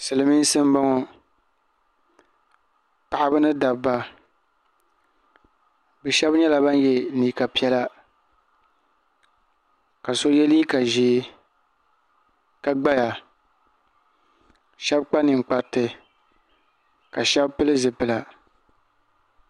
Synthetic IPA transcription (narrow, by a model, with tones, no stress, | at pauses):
sɨ˨lɨ˨mi˦n˦sɨ˦m˦ba˦ŋɔ˦ | pa˨ʔɪ˦bɨ˦nɨ˦da˨bba˦ | bɛ˨ʃɛ˦bɲɛ˦la˨ba˦n˦jɛ˨˦niː˨ka˨pi˦ɛ˦la˦ | ka˨so˦jɛ˦li˦ka˨ʒiː˨˦ | ka˦ɡ͡ba˦ja˨ | ʃɛ˦bk͡pa˦nɨ˨ŋ͡mk͡pa˦ɾtɨ˨ | ka˨ʃɛ˦bpɨ˦lɨ˦zɨ˨pɨ˨la˨